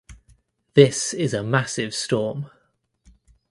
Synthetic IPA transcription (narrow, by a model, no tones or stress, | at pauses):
ðɪsɪzəmasɪv̥stɔːm